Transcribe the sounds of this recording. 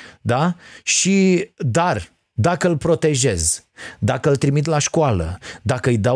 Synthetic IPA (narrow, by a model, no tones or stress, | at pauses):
d̪aʃid̪ar | d̪akəɨlpɾo̞t̪e̞ʒe̞zd̪akəɨlt̪ɾimit̪̬laʃkoalə̰d̪akəɨjd̪a